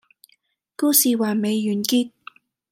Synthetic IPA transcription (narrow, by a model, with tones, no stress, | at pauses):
ku˥siː˨waː˨˩me˨˧jːyː˨˩nkiː˥t̚